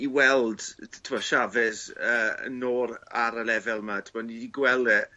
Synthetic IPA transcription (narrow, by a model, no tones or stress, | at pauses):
iwɛlˠd̥tʰɪmɔʃavɪsəə̰noːɾaɾəlɛvɛlˠmatʰəmɔnidiɡwɛlˠɛ